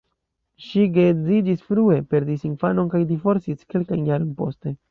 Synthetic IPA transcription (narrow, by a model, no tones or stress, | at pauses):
ʃiɡe̞zid͡ʒisfɾue̞pe̞ɾdisinfano̞nkajdifo̞ɾsiske̞lkajnjaɾo̞npo̞̰ste̞